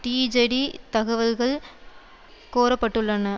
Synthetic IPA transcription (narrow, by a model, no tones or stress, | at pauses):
ʈiːd͡ʒɐɽit̪ɐɣɐʋɐlɣɐɭ | koːɾɐpːɐʈːɯɭːɐnɐ